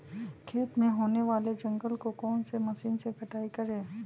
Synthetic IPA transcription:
kʰeːt̪mẽɦoːneʋaːled͡ʒɐ̃ŋɡəlkokɔːnsemɐsiːnsepɐʈaːikɐɾẽː

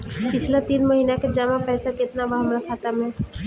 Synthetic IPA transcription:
pɪt͡ʃʰlat̪iːnmɐɦiːnaked͡ʒamãpɛːsakɪt̪naʋaɦəmɾɐkʰaːt̪amẽ

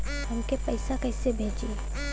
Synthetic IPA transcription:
hɐmkepɐɪsakɛːsebʱeːd͡ʒe

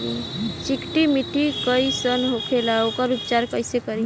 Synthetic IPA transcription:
t͡ʃikʈimiʈikəjsənɦokʰelaokəɾut̪t͡ʃaɾkəjsekəɾi

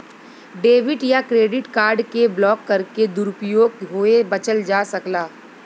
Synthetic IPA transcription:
ɖeːʋɪʈjakɾeːɖɪʈkaːɾɖkeblɔːkːɐɾked̪ʊɾʊpjoːɡɦoebɐt͡ʃəld͡ʒaːsɐklaː

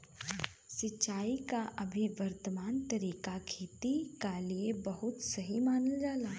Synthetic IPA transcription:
sɪt͡ʃt͡ʃːaːikaʔɐbʱiʋɐɾt̪əmaːnt̪ɐɾiːkakʰiːt̪ikaliebɐɦʊt̪sɐɦimaːnəld͡ʒaːlaː

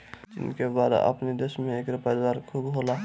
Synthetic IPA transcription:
d͡ʒɪ̰nkebaːd̪ə̰pnid̪eːʃmẽeːkɾɪpad̪waːɾkʰubɦoːlaː

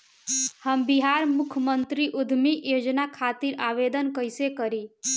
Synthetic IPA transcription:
həmbiɦaɾmʊkʰjəmənt̪ɾiʔud̪ʱmijod͡ʒnakʰat̪iɾaʋed̪ənkəɪsekəɾi

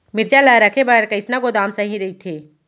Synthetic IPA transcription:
mɪɾd͡ʒalaɾɐkʰebaɽkɐɪsnaɡod̪aːmsɐɦĩɾɐɦit̪ʰeː

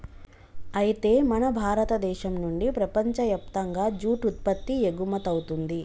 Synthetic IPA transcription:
ɐjit̪e̞ːmɐnɐbʱaːɾɐt̪ɐd̪ɛːʃɐmnuɳɖipɾɐpɐɲt͡ʃɐjɐp̚t̪ɐŋɡaːd͡ʒuːʈut̪̚pɐt̪ːieɡumɐt̪ɐwut̪und̪i

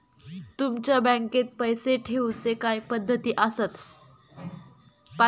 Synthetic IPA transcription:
t̪umt͡ɕjabə̃ŋket̪̚pəjseʈʰeut͡sekajpəd̪ʱːət̪iːʔəsət̪ | pa

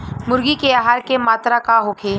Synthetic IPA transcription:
mʊɾɡikeaːɦaːɾkemaːt̪ɾakaɦokʰeː

